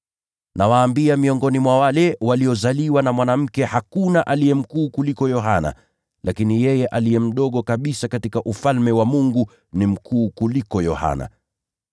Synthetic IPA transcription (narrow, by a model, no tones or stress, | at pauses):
nawaːmbiamiɔŋɡɔnimwawalɛwaliɔzaliwanamwanam̩kɛhakunaʔalijɛm̩kuːkulikɔjɔɦana̰ | lʔakinijɛjɛʔalijɛm̩ɗɔɠɔkaɓisakatikaʔufalmɛwamuŋɡu | nim̩kʰuːkulikɔjɔha̰na̰